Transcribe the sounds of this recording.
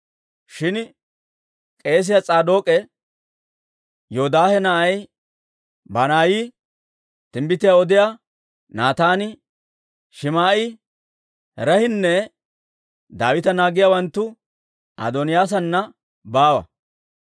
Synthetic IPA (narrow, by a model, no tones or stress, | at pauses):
ʃɪn | kʼe̞ːs̬ɪjat͡sʼaːd̪o̞ːkʼɛ | joːd̪aːhɛnɐʔɐj | bɐnaːjiː | t̪ɪmbɪt̪ɪjaːɔd̪ɪjaː | naːt̪aːnɪ | ʃɪmaːʔɪ | ɾɐhɪnːɛ | d̪a̰ːwɪt̪ɐnaːɡɪjaːwɐnt̪ːʊ | ʔɐ̰d̪ɔnɪjaːs̬ɐnːɐ | baːwɐ̰